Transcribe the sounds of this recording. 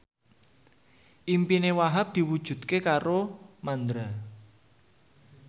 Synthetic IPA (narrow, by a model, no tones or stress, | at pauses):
ʔimpinewaɦap̚d̪̥i̤wud̥ʒ̥ṳt̪kekaɾomand̪ɾa